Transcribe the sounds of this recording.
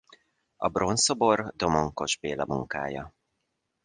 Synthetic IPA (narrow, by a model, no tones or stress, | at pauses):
ɒ̰bro̞nsobo̞rd̪o̞moŋko̞ʒbeːlɒmuŋka̰ːjɒ